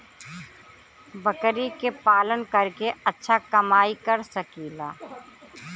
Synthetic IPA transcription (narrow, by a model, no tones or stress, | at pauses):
bəkɾikepaːlənkəɾkeɐtːʃʰakɐmaːikɐɾsəkiːlaː